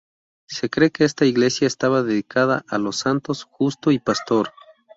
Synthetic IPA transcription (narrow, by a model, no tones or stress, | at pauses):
se̞kɾekeest̪aiɣle̞sjaest̪aβaðeðikʰað̞aʔalosːant̪osxust̪oipast̪oɾ